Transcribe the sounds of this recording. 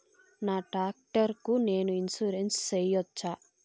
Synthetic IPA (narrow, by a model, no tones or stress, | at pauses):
naːʈaːk̚ʈɐɾkune̞ːnuinsuɾenst͡ʃejɔt͡ʃːaː